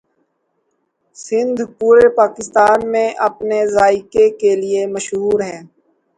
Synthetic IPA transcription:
sɪ̃nd̪ʱpuːɾepaːkɪst̪aːnmẽʔɐpnezaːikekeliemɐʃɦuːɾɦɛ̃ː

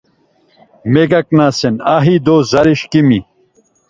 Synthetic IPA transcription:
meɡɐk̚naːsenaːɦid̪oːzɐɾiɕkimi

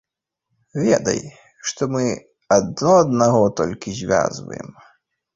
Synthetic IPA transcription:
vʲɛd̪ɐ̰j | ʂt̪ɔmɨ | ɐd̪̚nɔɐd̪naɣɔt̪ɔlʲkʲizʲvʲa̰zvɐ̰jɛ̰m

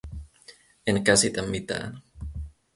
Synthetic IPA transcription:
eŋkasit̪amːit̪a̰n

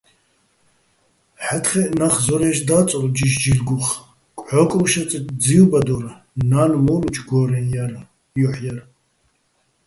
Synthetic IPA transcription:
ħat̪χɛnaχzɔɾɛʃd̪aːt͡sʼɔld͡ʒiʃd͡ʒilɡuχ | kʷʼʕɔkʼʃat͡sʼit̪d͡zilbad̪ɔɾa | nanmɔlut͡ʃʰɡɔːɾɛjaɾa | jɔħjar

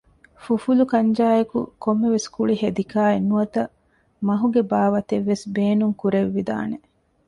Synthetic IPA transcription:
fufulukɐɲd͡ʒaːjekṵkomːeʋeskuɭiɦed̪ikaːenːuɐt̪ɐ | mɐɦuɡebaːʋɐt̪eʋːesbeːnuŋkuɾeʋːid̪a̰ːne

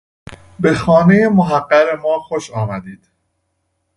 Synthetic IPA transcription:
bexɒːnejemoɦæɢːæɣemɒːxoʃɒːmæd̪iːd̪̥

